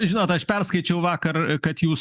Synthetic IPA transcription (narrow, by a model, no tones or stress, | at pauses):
ʒʲɪnoːt̪ɐʃpʲɛrskɐɪt͡ʃʲɛʊʋɑːkɐrkɐt̪juːs